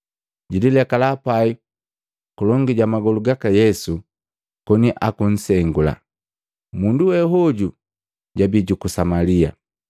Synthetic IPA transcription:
ɟililɛkalapai | kulɔŋɡiɟamaɡɔluɡakajɛsu | kɔniʔakun̩sɛŋɡula̰ | munduwɛɦɔɟu | ɟabiɟukusamalia̰

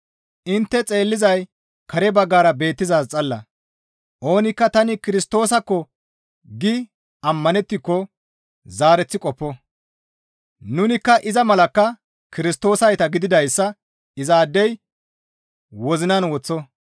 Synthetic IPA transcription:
ʔɪnt̪ːɛt͡sʼe̞ːlːɪzɐj | kɐɾɛbɐɡːaːɾɐbe̞ːt̪ːɪzaːst͡sʼɐlːɐ | ʔo̞ːnɪkːɐt̪ɐnɪkɪɾɪst̪o̞ːsɐkːɔ | ɡɪ | ɐmːɐnɛt̪ːɪkːɔ | zaːɾɛt͡sːɪkʼɔpːɔ | nʊnɪkːɐʔɪzɐmɐlɐkːɐ | kɪɾɪst̪o̞ːsɐjt̪ɐɡɪd̪ɪd̪ɐjsːɐ | ɪzaːd̪ːɛj | wɔzɪnɐnwɔt͡sːɔ

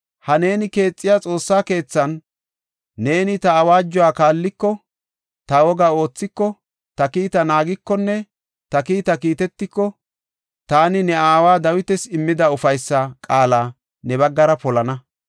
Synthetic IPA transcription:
hɐne̞ːnɪke̞ːt͡sʼːɪjat͡sʼo̞ːsːaːke̞ːt͡sːɐnː | e̞ːnɪt̪ɐːwaːd͡ʒːɔwaːkaːlːɪkːɔ | t̪ɐwɔɡaːo̞ːt͡sːɪkːɔ | t̪ɐkiːt̪ɐnaːɡɪkːɔnːɛ | t̪ɐkiːt̪ɐkiːt̪ɛt̪ːɪkːɔ | t̪aːnɪnɛaːwaːd̪ɐwɪt̪ɛsɪmːɪd̪ɐʊfɐjsːɐkʼaːlaː | nɛbɐɡːɐɾɐpɔlɐnɐ

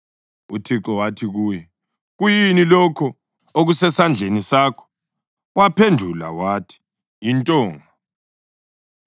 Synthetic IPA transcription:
utʰiǁɔwatʰiɣuːjɛ | ɣujinilɔkʰɔ | oɣusɛsand͡ɮʱenisaːkʰɔ̥ | wapʰendʱula̰watʰi̥ | jintʼɔːŋa

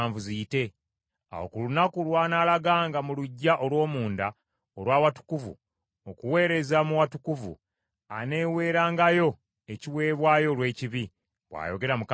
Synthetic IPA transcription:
ɱvuzijite̞ | a̰wo̰kulunakulwaːnaːlaɡaːŋɡamuluɟːaʔo̞lwo̞ːmuːnda | olwaːwatu̥kuvṵ | okuwe̞ːɾe̞zamuwatukuvṵ | a̰ne̞ːwe̞ːɾaːŋɡajo̞ | eciwe̞ːβwaːjo̞lwe̞ːciβi | βwa̰ːjo̞ɡe̞ɾamuk

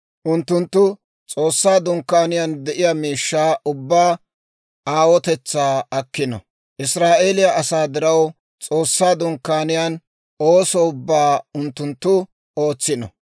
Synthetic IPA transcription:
ʔʊnt̪ːʊnt̪ːʊ | t͡sʼo̞ːsːaːd̪ʊŋkːaːnɪjand̪ɛʔɪjamiːʃːaːʔʊbːaː | aːwɔt̪ɛt͡sːaːɐkːɪnɔ̰ | ʔɪsɾaːʔeːlɪjɐʔɐsaːd̪ɪɾɐw | t͡sʼo̞ːsːaːd̪ʊŋkːaːnɪjaːn | oːsɔʊbːaːʊnt̪ːʊnt̪ːʊ | o̞ːt͡sːɪnɔ̰

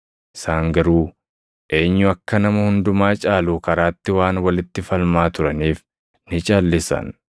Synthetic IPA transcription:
ɪsaːŋɡɐɾuː | ʔe̞ːɲːʊɐkːɐnɐmɐhʊnd̪ʊmaːt͡ʃʼaːluːkɐɾaːt̪ːɪwaːnwɐlɪt̪ːɪfɐlmaːt̪ʊɾɐniːf | nɪt͡ʃʼaːlːɪsɐ̰n

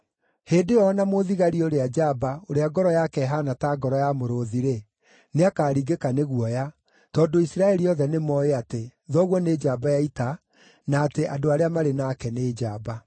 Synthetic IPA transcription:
heːdeɔnamoðiɣaɾioɾead͡ʒabaoɾeaɡɔɾɔjakɛɦanataːɡɔɾɔjamoɾoðiɾe | neakaːɾiɡekaneɣuɔja | tɔːdoisiɾaɛɾiɔðɛnemɔeateðɔɣwɔned͡ʒaːbajaita | naːteʔadoaɾeamaɾenakɛneːd͡ʒaba

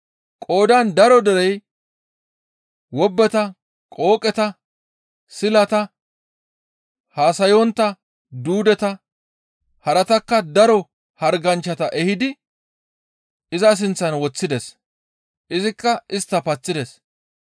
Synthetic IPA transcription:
kʼo̞ːd̪ɐnd̪ɐɾɔd̪ɛɾɛj | wɔbːɛt̪ɐ | kʼo̞ːkʼɛt̪ɐ | sɪlɐt̪ɐ | haːsɐjɔnt̪ːɐ | d̪uːd̪ɛt̪ɐ | hɐɾɐt̪ɐkːɐd̪ɐɾɔ | hɐɾɡɐnt͡ʃːɐt̪ɐʔɛhɪd̪ɪ | ɪzɐs̬ɪnt͡sːɐnwɔt͡sːɪd̪ɛs | ʔɪzɪkːɐɪst̪ːɐpɐt͡sːɪd̪ɛs

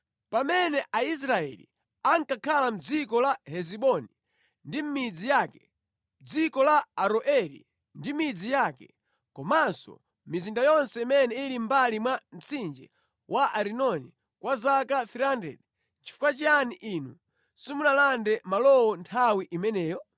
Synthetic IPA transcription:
pamɛnɛʔais̬ɾaɛ̰lḭ | aŋkakʰalam̩d͡zikɔlahɛziɓɔni | ndim̩mid͡zijaːkɛ̥ | md͡zikɔlaːɾɔʔɛɾḭ | ndimid͡zijakɛ̰ | kɔmansɔ̰ | mizindajɔnsɛimɛnɛiɾimbalimwam̩t͡sind͡ʒɛ | wʔaʔaɾinɔni | kwazakafiɾandɛ̰ɗɛ | t͡ʃi̥fu̥kwat͡ʃaniʔinu | simunalandɛmalɔwɔntʰawiʔimɛnɛːjɔ

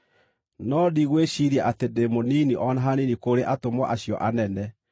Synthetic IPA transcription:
nɔdiɣweʃiɾjaʔatedemoniniʔɔnaɦaninikoɾeʔatomwɔʔaɕjɔ̰ʔanɛnɛ

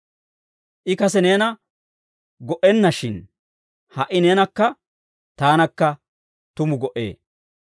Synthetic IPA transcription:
ʔɪkɐsɛne̞ːnɐ | ɡɔʔɛnːɐʃɪn | hɐʔɪne̞ːnɐkːɐ | t̪aːnɐkːɐ | t̪ʊmʊɡɔʔe̞̰ː

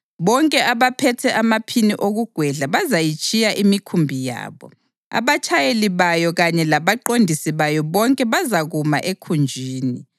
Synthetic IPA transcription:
βɔŋkʼɛʔaβapʰɛtʰɛʔamapʰiniʔoɣuɡ̥ʱwɛɮaβazajit͡ʃʼijaʔimikʰumbʱija̰ːβɔ̰ | a̰βat͡ʃʰʼajeliβajɔɣaɲɛlaβaǃondʱisiβajɔβɔŋkʼɛβazaɣuma̰ʔekʰund͡ʒʱiːni

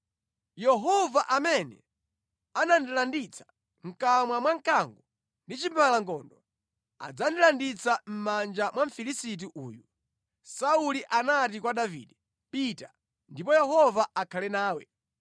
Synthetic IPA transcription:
jɛɦɔvaʔamɛnɛ̰ | anandilandit͡sʰḁ | ŋ̩kamwamwaŋkaŋɡɔ | ndit͡ʃimalaŋkɔːndɔ | a̰d͡zandilandit͡sam̩mand͡ʒamwaɱ̩filisit̬iʔuːju | sauliʔanatikwaɗavḭːdɛ | pita | ndipɔjɛɦɔvaakʰalɛnaːwɛ̰

